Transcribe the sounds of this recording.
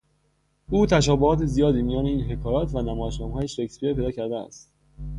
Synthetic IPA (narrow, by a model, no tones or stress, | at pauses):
uːt̪ʰæʃ̬ɒːbohɒːt̪ʰezijɒːd̪iːmijɒːneiːnɦe̞kʰɒːɾɒːt̪ʰvænæmɒːjeʃnɒːmhɒːjeʃekspiepʰejd̪ɒːcʰæɾd̪eæ̰st̪